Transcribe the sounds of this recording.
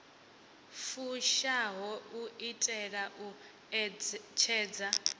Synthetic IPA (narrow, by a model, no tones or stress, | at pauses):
fuʃaɦɔuitʼɛɺaʔu | t͡ʃʰɛːd͡za